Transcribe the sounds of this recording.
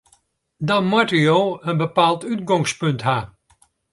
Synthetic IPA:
dɔnmatəjoːənbəpaːlˠtytɡɔŋspɵntɦa

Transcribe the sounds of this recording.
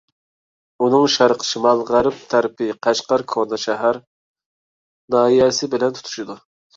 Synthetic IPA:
unɨŋʃæɾqʰə̥ʃimɑlˠʁæɾɪp̚t̪ʰæɾpʰɪqʰæʃqɑɾkʰoɾnɑʃɛɦæɾ | nɑːijɛsɪbɪlɛnt̪ʰt̪ʰu̥ʃid̪u

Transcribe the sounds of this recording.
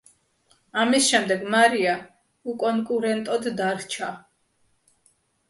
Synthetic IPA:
amisʃɛmd̪ɛɡmaɾia | ukʼɔŋkʼuɾɛnt̪ʼɔd̪ːaɾht͡ʃʰa

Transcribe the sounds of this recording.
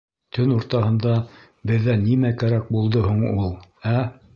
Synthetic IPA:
t̪ʰɵnuɾt̪ɑɦɤ̆nd̪ɑ | bɘ̆ðːænimækæɾæk̚bulˠd̪ɤɦuɴulˠæ

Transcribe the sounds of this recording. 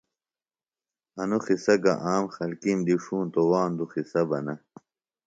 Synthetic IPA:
ɐnuxisɐɡɐ̰ʔaːmxɐlkimd̪iʂuːnt̪owaːnd̪uxisɐbɐnɐ

